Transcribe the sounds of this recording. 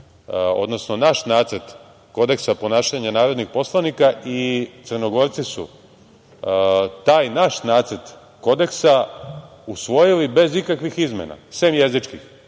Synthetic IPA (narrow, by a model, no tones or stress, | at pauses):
o̞̰d̪no̞snonaʃnaːt̪səɾt̪ | ko̞d̪e̞ksapo̞naːʃaɲanaːɾo̞d̪nixpo̞slˠanikaʔit̪sərno̞ɡo̞ɾt̪sisṵ | t̪aːjnaʃnaːt̪sərt̪ | ko̞d̪e̞ksa | usʋo̞jilibe̞zikakʋixizmḛna̰semje̞zit͡ʃkix